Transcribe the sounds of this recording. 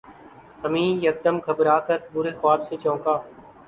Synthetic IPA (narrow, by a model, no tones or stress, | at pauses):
əmĩːjək̚d̪əmkʰəbɾaːkət̪̚bʊɾeːxʊwaːbseːt͡ʃɔ̃ːkaː